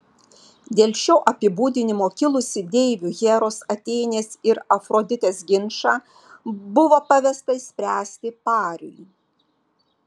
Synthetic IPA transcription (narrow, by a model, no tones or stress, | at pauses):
d̪ʲeːlʲʃʲoːʔɐpʲɪbuːd̪ʲɪnʲɪmoːkʲɪlˠʊsʲɪd̪ʲɛːɪʋʲuːɣʲeːɾoːsɐt̪ʲɛːnʲeːsɪɾɐfɾoːd̪ʲɪt̪ʲeːsɡʲɪnʃɑː | bʊʋoːpɐʋʲɛst̪ɐisʲpʲɾʲæːsʲt̪ʲɪpɑːɾʲʊ̰j